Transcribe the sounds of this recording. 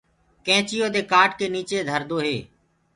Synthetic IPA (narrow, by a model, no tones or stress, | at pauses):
kɛ̃ːt͡ʃɪjoːd̪eːkaːʈkeːniːt͡ʃeːd̪ʱəɾd̪oːɦeː